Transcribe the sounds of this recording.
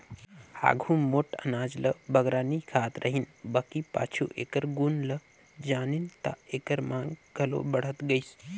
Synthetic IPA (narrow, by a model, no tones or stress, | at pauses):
a̰ːɡʱũmoːʈə̰naːd͡ʒləbəɡɾaːnikʰaːt̪ɾʔəɦinbakipa̰ːt͡ʃʰuʔḛːkəɾɡunlə | d͡ʒaːnint̪a̰eːkəɾmãːŋɡɡʱɐlo̰bəɽ̤ət̪ɡəjs